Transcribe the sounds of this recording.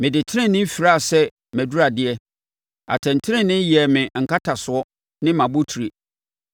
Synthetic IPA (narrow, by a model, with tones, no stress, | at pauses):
mɪ̃˨dɪ˨tʰɪ˦ɾɪ̃˦˨nːɪ̃˦m̩˦fi˨ɾa˦˨sɛ˦ | mæ̃˨du˦ɾa˨dɪ˦ɛ˦ | a̰˨tʰɛ̃˨n̩˨tʰɪ˦ɾɪ̃˦nɪ̃˦jɛ˨mɪ̃˨ŋ̩˨kʰa˦tʰa˨sʊ˨˦ɔ˦ | nɪ̃˦mã˨bʊ˦tʰi˨ɾe˨